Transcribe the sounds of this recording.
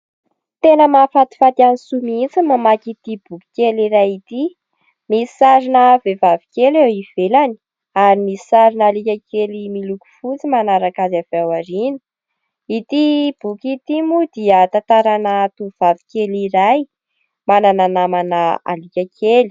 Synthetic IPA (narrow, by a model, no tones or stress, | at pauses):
t̪enəmafat̪i̥fat̪ianisumint͡səmamakit̪ib̥uki̥kʲeliɾajit̪i | misi̥saɾinəvevavikʲelewiv̥elani̥ | aɾimisi̥saɾinalikʲakʰelimiluku̥fut͡simanaɾakazav̥awaɾini̥ | it̪ib̥ukʲit̪imud̪̥iət̪ant̪aɾanət̪uv̥avi̥kʲeliɾaj | manananamanəa̰likʲakʰeli̥